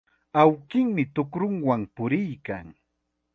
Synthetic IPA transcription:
awkɪŋmɪt̪ʊkɾʊŋwampʊɾɪjkaŋ

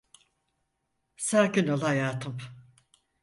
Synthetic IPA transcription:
saːkinolˠhajaːt̪ʰɯm

